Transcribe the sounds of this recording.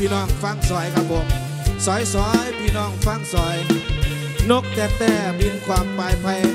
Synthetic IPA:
pʰiː˧nɔː˧˩ŋfa˧˥˩ŋsɔː˨˦jkʰa˧˥mbɔː˨˧˩ | sɔː˨˦jsɔː˨˦jpʰiː˧˩nɔː˧˩ŋfa˧˥˩ŋsɔː˨˩˦j | no˦˧˩kːɛː˧p̚t̪ɛː˧˩bi˧nkʰwaː˧mpaː˨˩jpʰa˧j

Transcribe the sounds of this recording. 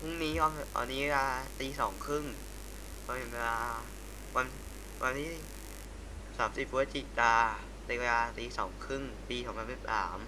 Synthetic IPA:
pʰu˥˩ŋniː˦˥kɔː˧˩me˨˩t̪ɔ̰ː˧nːiː˦˥˧laː˧t̪iː˧sɔː˩˦ŋkʰɾɯ˥˩ŋ | kʰɔː˧˩he˨˩˦nwe˧laː˧ | wa˧n | wʔa˧nt̪ʰiː˥˩ | saː˩˦msi˨˩p̚ʰːu˧˦˥t͡ɕi˨˩t̪̚t̪aː˧ | t̪e˧laː˧t̪iː˧sɔː˩˦ŋkʰɾɯ˥˩ŋpiː˧sɔː˩˦ŋpʰa˧nmsi˨˩p̚sa̰ː˩˦m

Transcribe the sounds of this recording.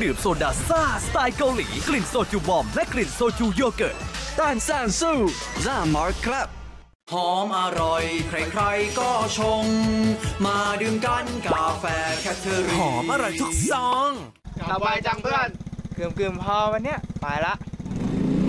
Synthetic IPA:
dɯː˨˩əp̚so˧daː˨˩saː˥˩st̪aː˧jka˧wlḭː˩˦kli˨˩nsoː˧t͡ɕuː˧˩bɔ˧mlɛ˦˥kli˨˩nsoː˧t͡ɕuː˧joː˧kɤː˨˩t̪̚t̪aː˧˩nsaː˧˩nsuː˥˩zaː˧˩ma˦˥kʰla˦˥p̚ | hɔː˨˩˦mʔa˧ɾa˧jkʰɾa˧˩jkʰɾa˧jkɔː˥˩t͡ɕʰo˧ŋmaː˧dɯː˧mka˧˩nkaː˨˩fɛː˧kʰɛ˧˥t̪ʰːəː˧ɾhɔː˩˦mʔa˧ɾa˧˩jt̪ʰu˦˥k̚sɔː˨˧˦ŋ˧ | a˧˩a˧jt͡ɕa˧˩ŋpa˧˥˩nkɯ˨˩mkɯː˨˩əmpʰɔː˧wma˧nːi˦˥ɐmaː˨˩jla˦˥ʔ

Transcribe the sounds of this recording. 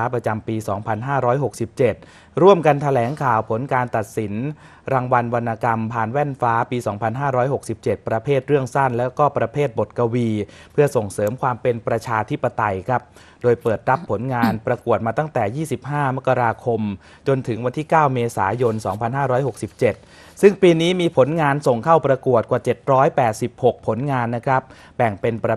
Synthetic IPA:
pɾa˧t͡ɕa˧mpiː˧sɔː˩˦ŋpʰa˧nɦaː˥˩ɾɔː˦˥jɦo˨˩k̚si˨˩p̚t͡ɕe˨˩t̪̚ | ɾu˥˩əmka˧nt̪ʰa˧lɛː˩˦ŋkʰaː˨˩wpʰo˩˦nkaː˧nt̪a˨˩t̪̚si˩˦n | ɾaː˧ŋwa˧nwa˧nʔa˧ka˧mpʰaː˧˩nwɛ˥˩nfaː˦˥piː˧sɔː˩˦ŋpʰa˧nɦaː˥˩ɾɔː˦˥jho˨˩k̚si˨˩p̚t͡ɕe˨˩t̪̚pɾa˧pʰeː˥˩t̪̚ɾɯ˥˩əŋsa˥˩nlɛː˦˥wkɔː˥˩pɾa˧pʰeː˥˩t̪̚bo˨˩t̪̚ka˧wiː˧ | pʰɯ˥˩ɐso˨˩ŋsɤː˩˦mkʰwaː˧mpe˧npɾa˧t͡ɕʰaː˧t̪ʰi˦˥pːa˧t̪a˧jkʰa˦˥p̚ | doː˧jpɤː˨˩t̪̚ɾa˦˥pʰːo˩˦nŋaː˧npɾa˧ku˨˩ət̪̚maː˧t̪a˥˩ŋt̪ɛː˨˩jiː˥˩si˨˩p̚ɦaː˥˩ma˦˥kːa˧ɾaː˧kʰo˧m | t͡ɕo˧nt̪ʰɯ˩˦ŋwa˧nt̪ʰiː˥˩kaː˥˩wmeː˧sa̰ː˩˦jo˧nsɔː˩˦ŋpʰa˧nɦaː˥˩ɾɔː˦˥jho˨˩k̚si˨˩p̚t͡ɕe˨˩t̪̚ | sɯ˥˩ŋpiː˧niː˦˥miː˧pʰo˩˦nŋaː˧nso˨˩ŋkʰa˥˩wpɾa˧ku˨˩ət̪̚kwaː˨˩t͡ɕe˨˩t̪̚ɾɔː˦˥jpɛː˨˩t̪̚si˨˩p̚ho˨˩k̚pʰːo˩˦nŋaː˧nːa˦˥kʰɾa˦˥p̚ | bɛ˨˩ŋpe˧npɾa˧

